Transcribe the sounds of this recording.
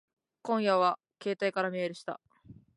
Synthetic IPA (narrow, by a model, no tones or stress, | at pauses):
kõ̞ɰ̃jaβa | ke̞ːt̪aikaɾamʲieɾɯ̟ɕi̥t̪a̰